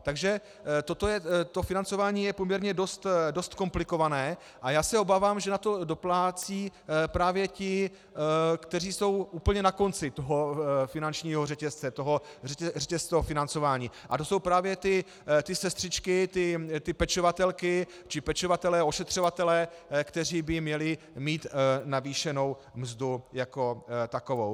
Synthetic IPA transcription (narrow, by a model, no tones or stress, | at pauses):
t̪aɡʒɛ | t̪o̞t̪ojɛt̪o̞fɪnant͡so̞vaːɲiːjɛpomɲɛɾɲɛdo̞st̪do̞st̪ko̞mplɪko̞vanɛː | ʔajaːsɛobaːvaːmʒɛnat̪o̞do̞plaːt͡siːpɾaːvjɛcɪ | kt̪ɛr̝iːso̞wʔuːpl̩ɲɛnako̞nt͡sɪt̪o̞ɦofɪnant͡ʃɲiːɦorɛcɛst͡sɛt̪o̞ɦo̞ | rɛcɛst͡sofɪnant͡so̞vaːɲiːʔat̪o̞so̞wpɾaːvjɛt̪ɪ | t̪ɪsɛst̪r̥ɪt͡ʃkɪt̪ɪt̪ɪpɛt͡ʃovat̪ɛlkɪ | t͡ʃɪpɛt͡ʃovat̪ɛlɛːoʃɛt̪r̝̥o̞vat̪ɛlɛːkt̪ɛr̝iːbɪmɲɛlɪ | miːt̪naviːʃɛno̞w | mzdujako̞t̪ako̞vow